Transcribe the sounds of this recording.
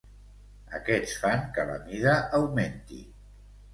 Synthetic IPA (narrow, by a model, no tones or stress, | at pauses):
ə̰kɛt͡sfaŋkələ̰miðaʔawment̪ḭ